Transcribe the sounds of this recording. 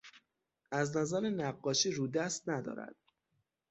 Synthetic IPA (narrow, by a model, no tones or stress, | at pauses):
ʔæznæzæɾenæɢːɒːʃiːɾud̪æst̪̚næd̪ɒ̰ːɾæ̰d̪̥̚